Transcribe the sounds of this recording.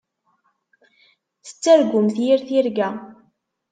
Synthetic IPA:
θə̥t͡sːæɾɡʊmθjiɾθiɾɡæ

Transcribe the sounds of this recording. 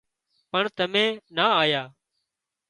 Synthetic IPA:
pəɳt̪əmẽːnaːaːjaː

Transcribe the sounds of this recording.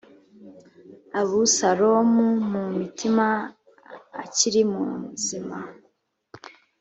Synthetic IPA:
aβusaɾomumumitʰima̰ː | ciɾimṵmzima

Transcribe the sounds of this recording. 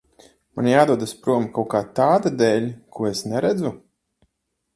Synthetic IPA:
manjaːd̪uɔd̪aspɾuɔmkawkaːt̪aːd̪ad̪ɛːlʲkʰuɔesnɛɾæd̪zu

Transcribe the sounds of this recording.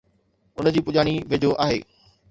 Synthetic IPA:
ʊnd͡ʑiːpʊʄaːɽ̃iʋed͡ʑʱoʔaːɦeː

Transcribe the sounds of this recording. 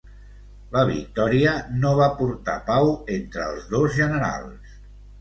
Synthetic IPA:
ləβ̞ḭk̚t̪ɔɾiənoβ̞apuɾt̪a̰pawent̪ɾəːlˠzðozʒənəɾa̰lˠs

